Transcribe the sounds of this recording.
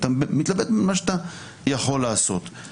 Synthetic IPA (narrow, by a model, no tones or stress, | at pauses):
t̪amit̪labed̪maʃet̪a | jaχo̞lːaːso̞t̪